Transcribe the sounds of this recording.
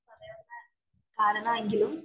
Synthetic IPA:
kaːɾɐɳɐːɐŋɡilum

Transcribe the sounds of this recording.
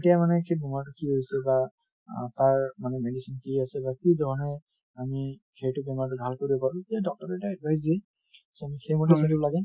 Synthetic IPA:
etijamanɛkebʱɔmaɹtʊkiɦojsɛba | a̰taɹmanɛmedisinkiasɛbakizɔɦɔnɛ | ami | kʰejtʊbɛmat̬ʊbʱalkoɹiɛbaɹuetijadɔk̚tɔɹɛtaɛdbʱajz̬di | samixejmɔtɛsalibɔlaɡɛ

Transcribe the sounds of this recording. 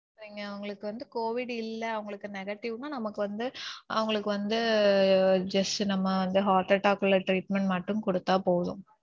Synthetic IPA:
ɾiːŋɡɐːʋʊŋɡɐɭɯkːɯʋɐnd̪ɯkoːʋɪɽɪlːɐɐʋɐŋɡɐɭɯkːɯnɛɣɐʈːɪʋnaːnɐmɐkːɯʋɐnd̪ɯʔɐʋɐŋɡɐɭɯkːɯʋɐnd̪ɯ | d͡ʒɐsʈɯnɐmːɐʋɐnd̪ɯɦaːɾʈɐʈaːkɯlɐʈɾiːʈmɛɳʈmɐʈːɯmkɔɽɯt̪ːaːpoːðʊ̰̃

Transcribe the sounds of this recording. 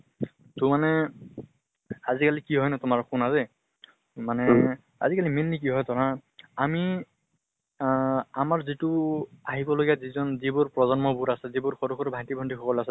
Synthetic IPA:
tumanɛ | azikalikiɦɔjnɛtʊmaɹkunazɛ | manɛ | a̰zikalimenlik̬iɦɔjtɔɹaami | amaɹzituaɦibɔloɡijazizɔnzibʊɹpɹɔzɔnmɔbuɾasɛzibʊɹxɔɾukʰɔɾbʱajtibʱɔndikʰɔkɔlasɛ

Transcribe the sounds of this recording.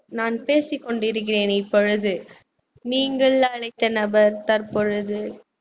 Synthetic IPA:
naːnpeːsɪkːɔɳɖɪɾɯk̬ːɪreːnɪpːɔɻɯðɯ | niːŋɡɐɭɐɭɐɪt̪ːɐnɐbɐɾt̪ɐɾpɔɻɯðɯ

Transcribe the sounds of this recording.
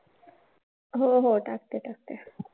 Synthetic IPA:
ɦoɦoʈak̚t̪eʈak̚t̪e

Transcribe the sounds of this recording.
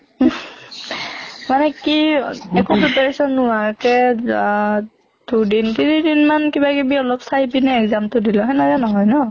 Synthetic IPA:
manɛkiɛkusutaɹisɔnːʊwaɹkɛ | d̥udintinidinmankibakɛbiɔlɔpsajbinɛɛkzamtʊdilɔ̃ɦɛnazanɔɦɔjnɔ

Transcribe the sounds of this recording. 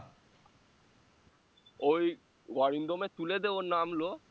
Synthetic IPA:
oj | ɡɔɹind̪omet̪uled̪ebonamlo

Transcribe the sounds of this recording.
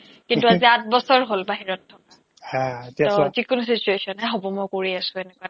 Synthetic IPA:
kinntuaziat̚bɔsɔɹɦolbaɦiɹɔtʰːɔka | hãetiɔzikʊnusit͡ʃuesiɔnɦɛɦɔbɔmɔjkoɹiasʊ̃enɛkua

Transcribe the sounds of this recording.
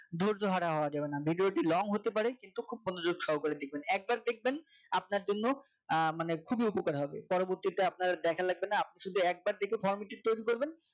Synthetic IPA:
d̪ʱoɾd͡ʑoɦaɾaɦɔoad͡ʑabenabʱiɖioʈilɔŋɦot̪epaɾekint̪ukʰub̚ponod͡ʑoɾʃɔwkoɾed̪ek̚ʰbenɛk̚baɾd̪ek̚ʰben | ap̚naɾd͡ʑonːo | manekʰubiupokaɾɦɔbepɔɾoboɾt̪it̪eap̚naɾad̪ɛkʰalaɡ̚benːaap̚niʃud̪ʱuɛk̚baɾd̪ekʰefʰɔɾmiʈed̚t̪ojɾikoɾben

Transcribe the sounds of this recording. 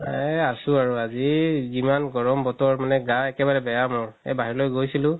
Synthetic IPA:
ɛasʊaɹuazizimanɡɔɹɔmbɔtɔɹmanɛɡaɛkɛbaɹɛbɛjamɔɹɛ̰baɦiɹlojɡojsilʊ̃

